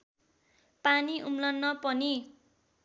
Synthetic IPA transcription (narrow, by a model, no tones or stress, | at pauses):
paniʔumlʌnːʌpʌni